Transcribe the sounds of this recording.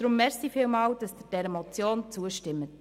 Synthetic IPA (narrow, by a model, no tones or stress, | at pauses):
dɾʊmːɛɾsifiːlmɑːld̥ɑsd̥əd̥ɛɾɛmɔt͡sjoːnt͡suəʃtɪmːət